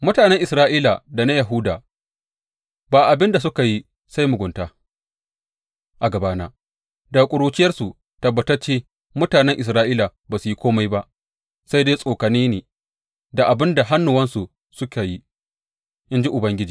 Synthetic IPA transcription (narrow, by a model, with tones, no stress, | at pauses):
mʊ˦taː˨nɛ˦ŋʔɪ˨sɾaː˦ʔiː˦la˨da˨na˦jɐ˨ɦʊ˦daː˨ | baː˨ʔa˨bɪ˦nda˨sʊ˦ka˨ji˦ | sa˦jmʊ˨ɡʷʊ˨ntaː˦ | ʔa˨ɡɐ˨baː˦naː˨ | da˨kʷʼʊ˨ɽuː˦t͡ʃɪ˦jɐ˦rsu˨ | tɐ˨bːɐ˨tɐ˦rt͡ʃeː˦ | mʊ˦taː˨nɛ˦ŋʔɪ˨sɾaː˦ʔiː˦la˨baː˨su˨ji˦kʷoː˦ma˦jba˦ʔ | sa˦jdeː˦sʼoː˨kɐ˨niː˦neː˨ | da˨ʔa˨bɪ˦nda˨ɦa˦nːʊ˨wɐ˦nsu˨ | sʊ˦ka˨ji˦ | ʔɪ˦nd͡ʒi˦ʔʊ˨bɐ˦ŋɡʲɪ˦d͡ʒiː˨